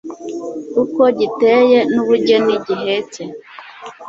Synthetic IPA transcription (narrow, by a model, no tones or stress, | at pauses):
ukoɟitejenuβuɟeniɟiɦece